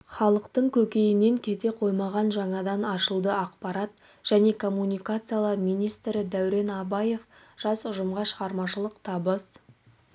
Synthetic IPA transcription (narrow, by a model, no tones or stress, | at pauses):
χɑlˠəqt̪əɴkʲʰɵkʲe̞jɪne̞ŋkʲʰe̞t̪e̞qʰo̞jmɑʁɑnʒɑɴɑd̪ɑnɑʃəlˠd̪əɑqpɑɾɑt̪ | ʒ̥æne̞kʰo̞mːunʲijkat̪sɨjalˠɑɾmijnijst̪ɾɪd̪æwɾe̞nɑbɑje̞fʒ̥ɑsʊʒəmʁɑʃəʁɑɾmɑʃəlˠəqt̪ʰɑbəz